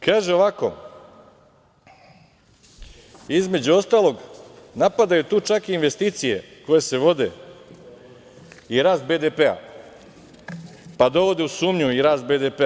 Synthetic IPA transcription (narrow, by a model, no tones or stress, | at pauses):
kaːʒeoʋako̞̰ | izme̞d͡ʑuo̞st̪aːlˠo̞ɡnapad̪ajut̪uːt͡ʃakiːnʋe̞st̪iːt̪sije̞̰ko̞je̞se̞ʋo̞d̪e̞̰ | iɾaːst̪̚be̞ːd̪epea̰ | pad̪o̞ʋo̞d̪eusuːmɲuiɾaːst̪̚be̞ːd̪epe